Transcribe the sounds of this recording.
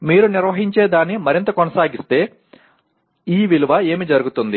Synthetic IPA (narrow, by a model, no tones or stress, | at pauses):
miːɾuniɾʋɐɦiɲt͡ʃe̞ːd̪aːnːimɐɾint̪ɐkɔnɐsaːɡist̪e̞ː | iːʋiluʋɐe̞ːmid͡ʒɐɾuɡut̪und̪i